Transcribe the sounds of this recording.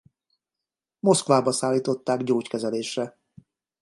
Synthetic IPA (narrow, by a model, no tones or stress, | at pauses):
mo̞skvaːbɒsaːlːiːt̪o̞t̪ːaːɡɟoːckɛzɛleːʃrɛ